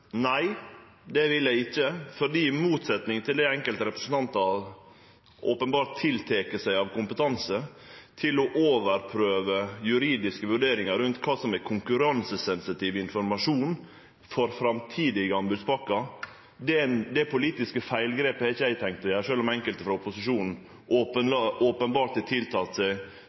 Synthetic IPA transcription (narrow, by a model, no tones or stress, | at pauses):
næɪ | d̪ɛʋɪljæɪɪçːəfɔɾɖiːmuːt̪sɛt̪nɪŋt̪ʰɪld̪æɪɛŋkəlt̪əɾɛpɾəsn̩t̪ɑnt̪ɑʋ | ʔɔpənbɑːɾʈt̪ʰːɪlt̪ʰeːkəsæɪɑʋkʊmpət̪ʰɑnsə | t̪ʰɪlɔʔoːʋəɾpʰɾøːʋəjʉɾiːd̪ɪskəʋʉɖeːɾɪŋɑɾɾʉnt̪kʰɑːsɔmækʰʊŋkʉɾɑnsəsɛnsɪt̪ʰiːʋɪnfɔɾmɑʂuːn | fɔɾfɾɑmt̪ʰiːd̪ɪɡəɑmbʉːd̪spɑkːɑ | d̪ɛnd̪ɛpʰʊliːt̪ɪskəfæɪlɡɾeːpəɛɾɪçəæɪt̪ʰɛŋkt̪ɔjæːɾʂøːlɔmɛŋkəlt̪əfɾɑʊpʊsɪʂuːnn̩ | ʔoːpənʔoːpənbɑːɾʈ̪ɪt̪ʰɪlt̪ʰɑːt̪sæɪ